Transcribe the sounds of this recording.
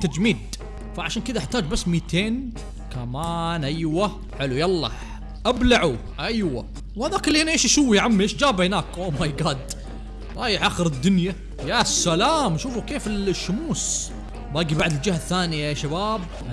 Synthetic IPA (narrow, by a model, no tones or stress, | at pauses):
t̪ad͡ʒmiːd̪ | faʕaʃaːnkɪd̪aʔaħt̪aːd͡ʒbasːmiːt̪ʰeːn | kamaːnʔajwa | ħɪlujɑlˤːɑ̰ | ʔablaʕu | ʔajwa̰ | whaðaːkɪlːihɪnʔeːʃʔaʃuːwːiʕamːiʔeːʃd͡ʒaːbhɪnaːkʔoːmajɡaːd̪ | ɾˤɑːjɪħʔaːxɪɾɪd̪ːʊnja | jasːalaːmʃuːfukeːfɪlʃːʊmuːs | baːɡibaʕd̪ɪld͡ʒɪhaθːaːnijaaʃabaːb̚